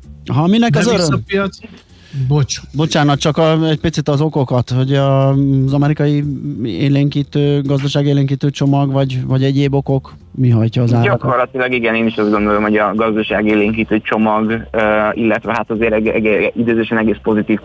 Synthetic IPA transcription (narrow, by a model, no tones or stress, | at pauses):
ɦɒminɛkɒzøɾømijɒt̪si | bot͡ʃbo̞t͡ʃaːnɒkt͡ʃɒkɒɛc̚pit̪sit̪ɒzo̞ko̞kɒt̪ho̞ɟɒzɒmɛɾikɒjiḛːleːŋkiːt̪øːɡɒzd̪ɒʃaːɡeːleːŋkiːt̪øːt͡ʃo̞mɒɡvɒɟvɒɟɛɟeːbo̞ko̞k | miɦɒjcɒːzaːɾdɒkkorlɒt̪ilɒɡiɡɛneːniʃɒzɡo̞nd̪o̞lomho̞ɟɒɡɒzd̪ɒʃaːɡeːleːŋkiːt̪øːt͡ʃo̞mɒɡøilːɛt̪ʋɛɦat̪ɒzeːɾɛɛɡid̪øːzeʃɛnɛɡeːspo̞zit̪iːf